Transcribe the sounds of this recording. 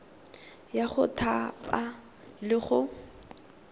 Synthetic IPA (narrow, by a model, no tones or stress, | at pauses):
jaχʊtʰapʼa | lɪχʊ